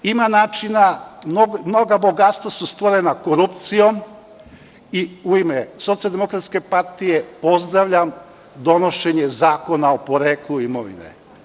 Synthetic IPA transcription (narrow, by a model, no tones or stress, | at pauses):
imanaːt͡ʃinamnomno̞ɡaboɡat̪st̪ʋasust̪ʋoɾenakoɾupt̪sijo̞m | iuimeso̞t̪sijald̪emo̞kɾat̪ske̞paɾt̪ijepo̞zd̪ɾaʋʎam | d̪o̞no̞ʃe̞ɲezaːko̞naopo̞ɾeːklˠuimoʋḭnḛ